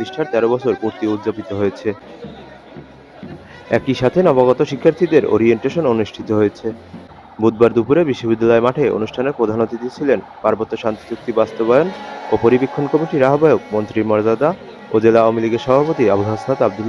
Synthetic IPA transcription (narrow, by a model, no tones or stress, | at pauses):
ot̪iʃʈʰaɾt̪ɛɾobɔt͡ɕʰoɾkuɾt̪iut̪ːd͡ʑopit̪oɦojet͡ɕʰe | ɛkiʃat̪ʰenɔbaɣɔt̪oʃikʰːaɾt̪ʰid̪eɾo̰ɾieɳʈeʃononuʃʈʰit̪oɦojet͡ɕʰe | bud̪̚baɾd̪upuɾebiʃːobid̪ːalɔemaʈʰeo̰nuʃʈʰaneɾpɾod̪ʱanot̪id̪it͡ɕʰilen | paɾbot̪ːoʃant̪i̥d͡ʑuk̚t̪ibast̪obajonopoɾibekʰːonkɔmiʈiɾaɦobajok̚mont̪ɾimɔɾd͡ʑad̪a | od͡ʑelaawamiliɡeɾʃɔbʱapot̪iabulɦasnat̪ab̚d̪ulː